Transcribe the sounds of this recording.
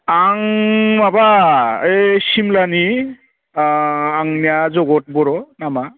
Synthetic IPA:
aŋmabaesimlani | ŋnijazɔɡɔt̚bɔɾɔnama

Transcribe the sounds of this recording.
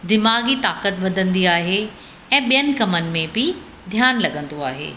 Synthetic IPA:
d̪ɪmaːɡit̪aːkət̪ʋɐd̪ʱə̃nd̪iaːɦe | ɛ̃ːɓijənɪ̆kɐmənɪ̆mẽbɪ | d̪ʱjaːnlɐɠə̃nd̪oaːɦḛː

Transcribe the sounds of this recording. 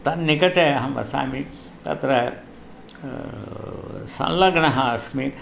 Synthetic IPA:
t̪ɐnːikɐʈeɐɦɐmʋɐ̰sa̰ːmi | t̪ɐ̰t̪ɾɐ | sɐ̰̃nlɐɡɳɐɦɐɐsmi

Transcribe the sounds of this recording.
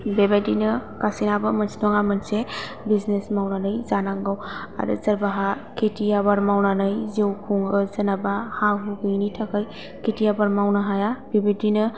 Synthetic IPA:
bebadinɯkasinabɯmansinɔŋamanse | biznesmawnanɯjzanaŋɡawa̰ɾɯ̰zaɾbaɦakʰetiabaɾmawnanɯjzewkʰuŋɯzanabahaɦuɡɯjnitʰakaj | kʰetijabaɾmawnɯɦajabebedinɯ

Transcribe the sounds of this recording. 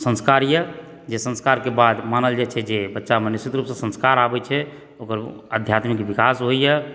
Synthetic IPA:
sə̃nskaɾjə | d͡ʒesə̃nskaɾkebad̪manəld͡ʒat͡ʃʰɛd͡ʒebətːʃamənesit̪ɾupsə̃sə̃nskaɾabɛt͡ʃʰɛ | okəɾəd̪ʱjat̪mikbikasɦojjɛ

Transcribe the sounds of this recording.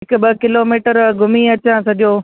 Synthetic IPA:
ɪkbɐkɪloːmiːʈəɾɡʱʊmiɐt͡ɕãsɐɗijoː

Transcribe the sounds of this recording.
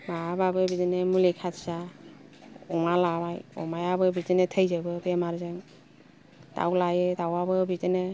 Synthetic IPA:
maababɯbidinɯmulekʰatsa | ɔŋalabajɔ̰majabɯbidinetʰəjzɯbɯbemaɾzɯŋ | da̰wlajɯdawabɯbidɯnɯ

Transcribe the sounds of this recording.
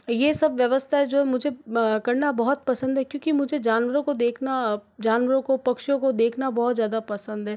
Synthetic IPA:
jesɐbʋjɐʋəst̪ʰaɦɛd͡ʒoːɦɛmʊd͡ʒʱekɐɾnabɐɦɔt̪̚pɐsə̃nd̪ɦɛkjõːkimʊd͡ʒʱed͡ʒaːnʋəɾõkod̪eːkʰnad͡ʒaːnʋəɾõkopɐkʃõkod̪eːkʰnabɔɦɔt̪zjaːd̪apɐsə̃nd̪ɦɛː

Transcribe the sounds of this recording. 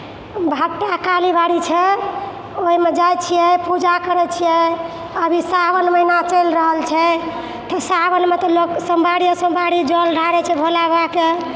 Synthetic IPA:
bʱaʈakalibaɽit͡ʃʰɛ | oɦimed͡ʒajt͡ʃʰijɛpud͡ʒakəɾɛt͡ʃʰijɛ | əbʱisabənməɦinat͡ʃəjlɾəɦəlt͡ʃʰɛ | t̪ɔsabənmet̪ɔloksəmbʱaɽijəsə̃mbʱaɽid͡ʒɔlɖʱaɾɛt͡ʃʰɛbʱolabake

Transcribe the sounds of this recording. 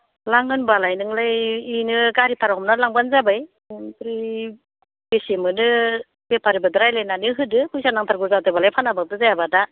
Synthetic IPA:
laŋɯnbalajnɯŋlɯjinɯɡaɾipʰaɾaɦɔmnalaŋbanzabaj | pɾi | b̥esemɯnɯ | bepʰaɾibɯdɯɾajlajnanɯɦɯdɯpʰɯjsanaŋtʰaɾɡɯɾzatɯjbalajpʰanabak̚dɯzajabada

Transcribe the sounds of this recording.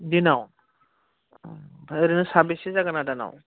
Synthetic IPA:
dinaw | bʱɾinɯsabesizaɡanadana̰w

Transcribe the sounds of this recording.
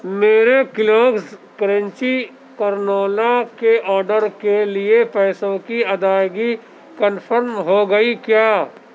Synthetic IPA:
meːɾekɪloːkskɾə̃nt͡ʃi | kəɾnoːlakeʔɔːɾɖəɾkeliepɛːsõkiɐd̪aːjɡi | kənfʰəɾmɦoɡɐikjaː

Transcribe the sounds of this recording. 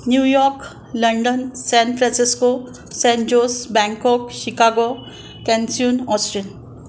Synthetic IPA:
njuːjɔɾk | ləɳɖənsɛ̃nfɾɛ̃nsisko | sɛ̃nd͡ʑosbɛ̃ŋkɔkɕikaɡo | kɛ̃nsiunɔsʈɾin

